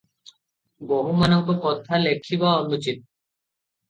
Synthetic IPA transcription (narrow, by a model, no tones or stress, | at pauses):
bɔɦumanɔŋ̚bekɔt̪ʰalekʰːibaɔnut͡ɕit̪̚